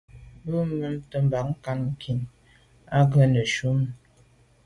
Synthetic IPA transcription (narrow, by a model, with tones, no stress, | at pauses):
bə˦m˦mə˦mtə˦m̩˨ba˨k̚ŋ̩˦ka˦nŋ̩˨kʰi˨n | a˦ɡə˦nə˨ʃu˦m˦